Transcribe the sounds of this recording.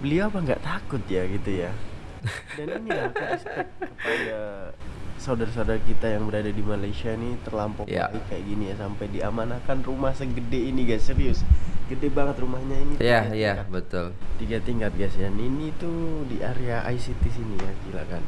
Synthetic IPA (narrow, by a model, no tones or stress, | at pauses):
bəliawapaŋɡa̰ʔt̪akʊt̪jaɡit̪uja | daninilaaasɛt̪̚kəpada | sawdarsawdarkit̪ajaŋbəɾadadimalaisiainit̪ərlampɔja̰ikaja̰ʔɡinijasampajdiamanakanrumahsəɡədeiniɡaseɾiʊsɡədebaŋət̪rumahɲainijajakbət̪ʊlt̪iɡat̪iŋkat̪̚ɡasjaninit̪udiʔaɾeaʔa̰jsit̪isinijakila̰kan